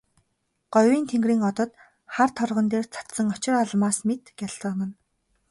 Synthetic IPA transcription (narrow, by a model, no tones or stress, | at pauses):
ɢ̥ɔjwiːnt̪ʰeŋɡriːŋɔt̪ɞ̆t̪ | χart̪ʰɔrʁɞ̆nt̪eːrt͡sʰḁt̪sə̆ŋɔt͡ɕɪ̆rɔɮmaːsmet̪ɡ̥ʲaɮt͡sə̆nə̆n